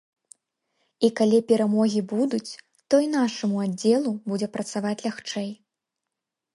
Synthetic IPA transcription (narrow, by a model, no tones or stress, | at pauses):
ikalʲipʲɛɾamɔɣʲibud̪ut͡sʲ | t̪ɔinaʂɐmuad͡zʲːɛlˠubud͡zʲɛpɾɐt̪savat͡sʲlʲaxt͡ʂɛj